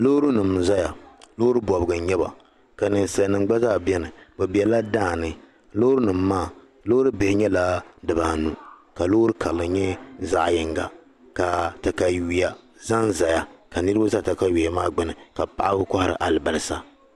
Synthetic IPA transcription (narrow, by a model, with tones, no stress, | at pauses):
lo˦ɾu˦nɨ˨mza˦ja˨lo˦hɾɨ˦bɔ˨bɨ˨ɡɨ˨˦ɲɛ˦ba̰˨ | ka˨nɨ˨n˨sa˨˦˨nɨ˨ŋ͡mɡ͡ba˦zaː˦˨bɛ˦nɨ˨bɛ˨bi˨ɛ˨la˦daː˦˨nɨ˦ | lo˦hɾu˦nɨ˨mː˨˦aː˦˨ | lo˦hɾɨ˦be˨hɪ˦ɲɛ˦la˦dɨ˨baː˨nu˨ka˨loː˦ɾɨ˦kʰa˨lːɨ˨ɲɛ˦za̰˦˨ʔjɪ˨ŋɡa̰˨ | ka˨ta˨ka˨ji˨ja˨ | za˦nza˨ja˨ka˨nɨ˦ɾɨ˦ba˦za˦˨ta˨ka˦wi˨ja˨maː˦ɡ͡bɪ˦nɨ˨ka˨pa̰˨ʔa˦bɨ˦ka˦ha˨ɾɨ̰˨ʔa˨lɨ˨ba˨lɨ˨sa˦